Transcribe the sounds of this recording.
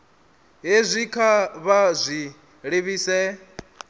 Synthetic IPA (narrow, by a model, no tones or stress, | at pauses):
ɦezʷikʰaβazʷi | ɺeβiːsɛ